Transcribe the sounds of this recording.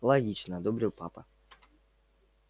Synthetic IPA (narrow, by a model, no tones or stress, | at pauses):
lˠɐɡʲit͡ɕnəɐd̪obɾʲɪlˠpa̰pə